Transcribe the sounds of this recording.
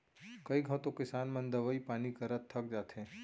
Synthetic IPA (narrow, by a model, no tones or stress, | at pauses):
kəiɡʱət̪õkɪsaːnmə̃nd̪əʋəipaːnikəɾət̪ʰːək̚d͡ʒaːt̪ʰẽ